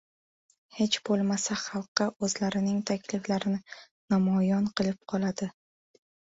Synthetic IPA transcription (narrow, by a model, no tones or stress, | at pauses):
he̞t͡ʃb̥olˠmasaχɑlˠqːɑɵzlaɾɪnɪŋt̪ʰakʲlɪflaɾɪnɪ | nɒmɒjɒnqɨlˠɪp̚qʰɒlˠad̪ɪ